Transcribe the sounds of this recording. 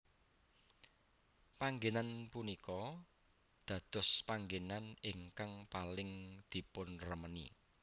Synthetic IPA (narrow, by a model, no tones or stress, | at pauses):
paŋɡenanpunikɔ | d̪̥ä̤d̪̥ɔ̤spaŋɡenanɪŋkaŋpalɪŋd̪̥i̤pʊnrəmənḭ